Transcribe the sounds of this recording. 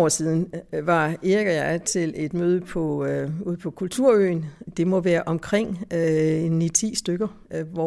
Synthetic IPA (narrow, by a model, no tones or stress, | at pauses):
ɒ̰siːðˠn̩ʋɑ̈eɡ̥ɐjɑ̈ɪt͡sʰe̝le̝d̥møːð̞ˠəpʰɒ̽uð̰ˠpʰɒ̽kʰult͡sʰuɐ̰ø̰ːnd̥e̝mɔ̽ʋæːɐʔɒ̽mkʰʁeŋ̰ | nit͡sʰḭːsd̥øɡ̥ɐ | ʋɒ